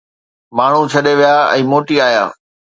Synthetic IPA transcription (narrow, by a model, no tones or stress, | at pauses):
maːɳ̤ut͡ɕʰɐɗeʋijaɛ̰̃ːmoːʈiaːja̰ː